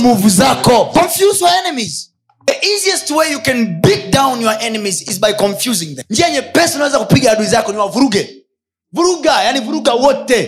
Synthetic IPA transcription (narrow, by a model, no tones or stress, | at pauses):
muvuzakɔkɔ̃ɱfjuzjɔaɛnɛmiz | ðəʔiziɛstwejjukɛ̃nbik̚dãw̃njɔaʔɛnɛmizizbajkɔ̃ɱfjuzĩŋðɛ̃mndiaiɲɛpɛsɔnawɛzakupiɡaaɗuizakɔniwavuɾuɡɛ | vuɾuɡajanivuɾuɡawɔtɛ